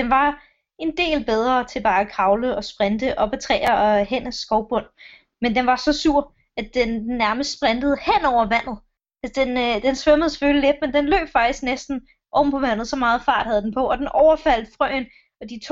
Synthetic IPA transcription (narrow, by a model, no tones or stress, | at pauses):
d̥enʋɑ̈ | e̝nd̥e̝̰ːlb̥eð̞ˠʁɐːt͡sʰe̝b̥ɑ̈ːækʰʁɑ̈ʊləɒ̽sb̥ʁɛnd̥əʔɒ̽b̥ət͡sʰʁɛ̰ːɪɐɒhenæsɡ̥ɒʊb̥ɔ̽n̰ | mend̥enʋɑ̈sɒ̽suɐ̰ | æ̥enenːæɐməsd̥sb̥ʁand̥əð̞̩ˠhen̰ɒʊ̰ɐʋæn̰ð̩ˠ | sd̥end̥ensʋœməð̩ˠse̥følile̝d̥mend̥enlø̰ːb̥fɑ̈ɡ̥d̥isɡ̥nesd̥n̩ | ʔɒ̽b̥m̩pʰɒ̽ʋæn̰ð̩ˠsɒ̽mɑ̈ːð̩ˠfɑ̰̈ːd̥hæð̞ˠd̥enpʰɒ̽ʔɒ̽d̥enʔɒʊɐfæl̰d̥fʁœ̰ːn | ɒ̽d̥it͡sʰ